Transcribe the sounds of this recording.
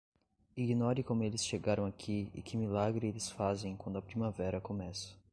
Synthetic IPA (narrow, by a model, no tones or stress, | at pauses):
iɡinɔɾɪkõmʊelɪsʃeɡaɾɐ̃w̃akʰiɪ̰kɪmilaɡɾɪelɪsfazẽj̃kwɐ̃nd̪ʊɐpɾimavɛɾɐkomɛsɐ̥